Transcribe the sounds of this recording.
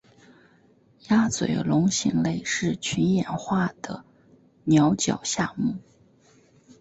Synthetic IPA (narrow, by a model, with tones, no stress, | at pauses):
ja˥t͡swḛ˨˩ɪlʊ˧˥ŋɕi˧˥ŋle˥˧ɪʂɻ̩˥˩t͡ɕʰy˧˥njɛ˨˩nxwa˥˩d̪̥ə̰˩ | njɑ˧˥ʊt͡ɕjɑ̰˨˩ʊɕja˥˧mu˥˩